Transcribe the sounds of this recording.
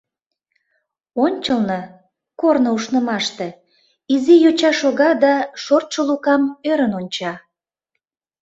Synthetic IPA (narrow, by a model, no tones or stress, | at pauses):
onʲt͡ɕəlˠnɤ | kornouʃnə̆mɑʃt̪e | izijot͡ɕɑʃoɣɑd̪ɑʃort̪ʃəlukɑmøɾənonʲt͡ɕɑ